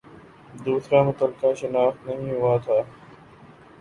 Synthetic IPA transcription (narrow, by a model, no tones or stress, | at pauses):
d̪uːsɾaːmʊt̪əlkaːʃənaːft̪nəɦĩːɦʊaːt̪ʰaː